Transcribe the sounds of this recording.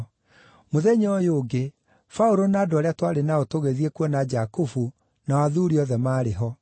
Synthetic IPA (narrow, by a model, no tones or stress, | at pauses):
moðɛɲeɔjoːɡe | fauɾonaːdoɔɾeatwaɾenaotoɣeðiekwɔnad͡ʑakufu | nawaðuɾiɔðɛmaːɾeɦɔ